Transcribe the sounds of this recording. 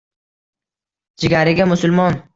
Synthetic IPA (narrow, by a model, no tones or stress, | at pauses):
d͡ʒɪɡʲaɾɪɡʲamʊsʊlmɒn